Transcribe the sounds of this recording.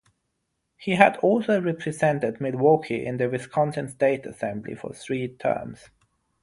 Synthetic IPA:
hiədɔlˠsoʊɹɛpʰɹɨzɛ̃ntɨd̚mɪdwɔkʰiʔɪ̰̃nðɨvɪskʰɑ̃ntɨ̃nsteɪtə̰sɛ̃mblḭfə̰˞θɹiːtʰɜ̰˞mz̥

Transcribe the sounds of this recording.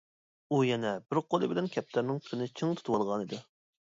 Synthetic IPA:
ujɛnɛbɪɾqʰolˠɨbɪlɛnkʲʰɛp̚t̪æɾnɪŋpʰy̥ɾɪnɪt͡ʃʰɨŋt̪ʰu̥t̪uwɑlˠʁɑnid̪ɪ

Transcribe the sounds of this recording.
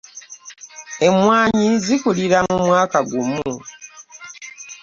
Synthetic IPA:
e̞mwaːɲizikuliɾamumwaːkaɡumu

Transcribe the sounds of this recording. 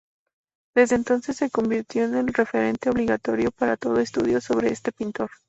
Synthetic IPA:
d̪̥e̞zðeːnt̪o̞nse̞sːe̞ko̞mbiɾt̪jo̞ene̞lre̞fe̞ɾe̞nt̪e̞oβliɣat̪o̞ɾjo̞paɾat̪o̞ð̞o̞e̞st̪uð̞jo̞so̞β̞ɾe̞est̪e̞pint̪o̞ɾ

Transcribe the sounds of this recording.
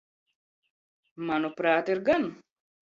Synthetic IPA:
mɐnupɾaːt̪eɾɡɐnʊ

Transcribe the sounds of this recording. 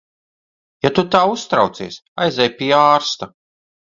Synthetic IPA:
jat̪ut̪aːust̪ɾawt̪sḭɛsajzʲɛjpiaːɾst̪a

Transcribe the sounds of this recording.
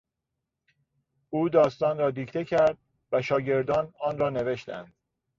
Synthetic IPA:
uːd̪ɒːst̪ɒːnɾɒːd̪iːcʰt̪ʰe̞cʰæɾd̪̥̚ | væʃɒːɟe̞ɾd̪ɒːnɒːnrɒːne̞ve̞ʃt̪æ̰nd̪̥̚

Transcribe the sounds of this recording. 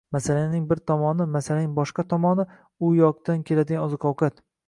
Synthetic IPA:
masalanɪŋbɪɾt̪ʰɒmɒnɪmasalanɪŋbɒʃqɑt̪ʰɒmɒnɪ | ʊjɒq̚t̪ankʲʰe̞lad̪ɪɡʲanɒzɨqʰɒwkʰat̪

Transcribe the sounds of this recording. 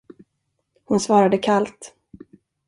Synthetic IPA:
hʊnsvɑːɾad̪əkʰalt̪

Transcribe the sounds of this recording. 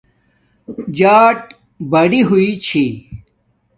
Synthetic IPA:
d͡ʑaːʈ | bɐɽiɦuit͡ɕʰi

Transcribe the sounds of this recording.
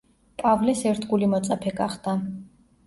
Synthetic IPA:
pʼavlɛsɛɾt̪ʰɡulimɔt̪sʼapʰɛɡa̰χd̪a

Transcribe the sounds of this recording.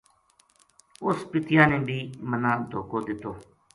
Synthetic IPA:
ʊspɪt̪jãːnẽːbʱiːmənãːd̪ʱoːkoːd̪ɪt̪oː

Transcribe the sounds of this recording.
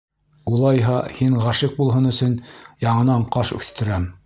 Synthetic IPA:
ulˠɑjɦɑhiɴʁæʃɘk̚bulˠɦɤnɵ̆sɵnjɑɴɤ̆nɑɴqɑʃʉ̰θt̪ɘ̆ɾæm

